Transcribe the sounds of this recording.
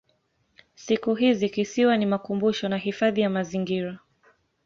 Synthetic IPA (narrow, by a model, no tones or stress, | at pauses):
sikuɦizikisiwanimakumbuʃɔnaɦifaðijamaziŋɡiɾa